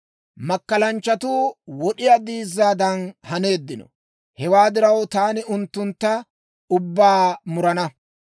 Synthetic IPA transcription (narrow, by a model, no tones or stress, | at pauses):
mɐkːɐlɐnt͡ʃːɐt̪uːwɔɗɪjad̪iːzːaːd̪ɐnhɐne̞ːd̪ːɪnɔ̰ | hɛwaːd̪ɪɾɐwt̪aːnɪʊnt̪ːʊnt̪ːɐ | ʊbːaːmʊɾɐnɐ